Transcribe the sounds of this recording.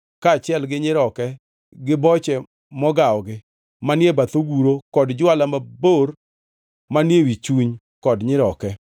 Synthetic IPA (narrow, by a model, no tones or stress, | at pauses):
kaːt͡ʃɛlɡɪɲɪɾɔkɛ | ɡɪbɔt͡ʃɛ | mɔɡaɔɡɪ | manjebat̪oɡuɾokɔdd͡ʒwalamabor | manjewit͡ʃuɲ | kɔdɲɪɾɔkɛ